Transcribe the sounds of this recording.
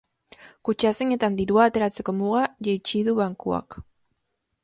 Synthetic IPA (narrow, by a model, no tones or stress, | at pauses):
kut͡ʃaseɲe̞t̪and̪iɾuaːt̪e̞ɾat͡se̞ko̞muɣ̞aʝejt͡ʃiðuβaŋkua̰k